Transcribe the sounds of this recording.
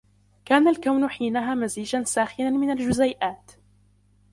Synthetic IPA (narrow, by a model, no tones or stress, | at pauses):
kaːnalkawnʊħiːnaɦaːmaziːd͡ʒansaːxɪnanmɪnald͡ʒʊzajʔaːt̪